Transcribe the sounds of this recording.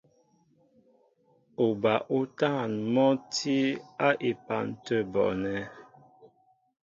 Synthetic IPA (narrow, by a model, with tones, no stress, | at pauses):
u˨ba˨ʔu˦ta˦˨nmɔ˦tʰi˦a˦ʔi˨pa˨n˨tə˦˨bɔ̰˨nɛ˨˦